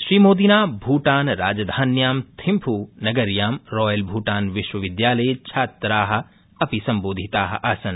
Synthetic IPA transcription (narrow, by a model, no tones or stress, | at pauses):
ʃɾiːmoːd̪inaːbʱuːʈaːnɾa̰ːd͡ʒɐd̪ʱaːnjaːmt̪ʰĩmpʰuːnɐɡɐɾjaːmɾɔːjɐlbʱuːʈaːnʋɪʃwɐʋɪd̪jaːlɐjt͡ʃʰaːt̪ɾaːɦɐ̆ | ɐpisɐ̃mboːd̪ʱit̪aːɦɐ̰̆ʔasɐn